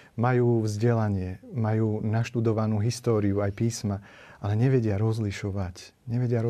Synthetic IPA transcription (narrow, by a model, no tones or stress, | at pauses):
majuːvzɟɛlaɲɪɛmajuːnaʃt̪ud̪ɔʋanuːɦist̪ɔːɾiuajpiːsma | alɛɲɛʋɛɟɪaɾɔzliʃɔʋac | ɲɛʋɛɟɪaɾ